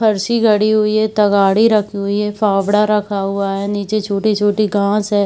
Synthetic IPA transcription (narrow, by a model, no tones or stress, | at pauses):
pʰɐɾʃiɡɐɽiɦʊiɦɛt̪ɐɡaːɽiɾɐkʰiɦʊiɦɛfaːʋɽaɾɐkʰaɦʊaɦɛːniːt͡ʃet͡ʃʰoːʈit͡ʃʰoːʈiɡʱãːsɦɛː